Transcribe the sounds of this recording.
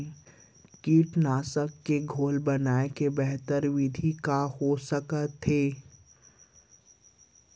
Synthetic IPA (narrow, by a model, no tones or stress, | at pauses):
kiːʈnaːsəkːeɡʱoːlbɐnaːekebɛɦt̪əɾʋɪd̪ʱikahosəkət̪ʰːeː